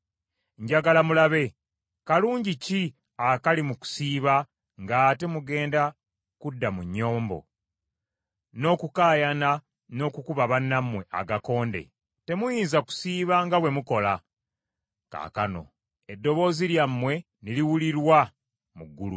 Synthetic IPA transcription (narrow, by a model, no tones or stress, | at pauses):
ɲɟaɡalamulaβe̞ | kaluːɲɟici | akalimuku̥siːβa | ŋɡate̞muɡe̞ːnda | kudːamuɲːo̞ːmbo̞̰ | no̞ːkukaːjana | no̞kukuβaβanːamwe̞ʔa̰ɡako̞ːnde̞̰ | te̞mujiːnzaku̥siːβaŋɡawe̞muko̞la | ka̰ːka̰no̞̰ | e̞dːo̞βo̞ːziljamːwe̞ | niliwuliɾwa | muɡːulṵ